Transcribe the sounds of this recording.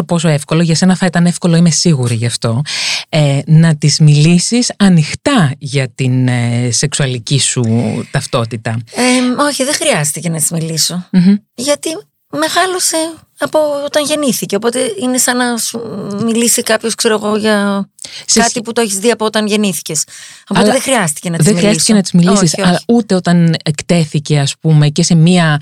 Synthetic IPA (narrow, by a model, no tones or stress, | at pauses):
opo̞so̞efko̞loʝɐse̞nɐθɐit̪ɐne̞fko̞lo̞imesiɣuɾiʝɐft̪o̞enɐt̪izmilisisɐnixt̪ɐʝɐt̪inse̞ksuɐlicisut̪ɐft̪o̞t̪it̪ɐeo̞çiðe̞xɾiɐst̪ice̞nɐt̪i̥zmiliso̥ʝɐt̪i | me̞ɣɐlose̞ | ɐpo̞ot̪ɐnʝe̞niθice̞opo̞t̪e̞ine̞sɐnɐsumilisikɐpço̞skse̞ɾo̞ɣo̞ʝɐ | skɐt̪iput̪o̞eçizðiɐpo̞ot̪ɐnʝe̞niθi̥ce̞so̞po̞t̪ðexɾiɐst̪i̥ce̞nɐt̪ðiðezmixɾiɐsist̪i̥cenɐt̪izmiliosisoɐlɐi̥ut̪e̞o̞t̪ɐnekt̪e̞θice̞ɐspume̞ce̞se̞miɐ